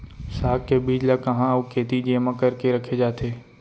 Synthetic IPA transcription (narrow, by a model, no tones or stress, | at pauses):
saːkkːebiːd͡ʒlakɐɦãɐukʰeːt̪id͡ʒeːmãkɐɾkeɾɐkʰed͡ʒaːt̪ʰeː